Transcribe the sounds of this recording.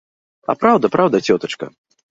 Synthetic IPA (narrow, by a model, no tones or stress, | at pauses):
ɐ̰pɾawd̪ɐpɾawd̪ɐt͡sʲɔt̪ɐt͡ʂkɐ̰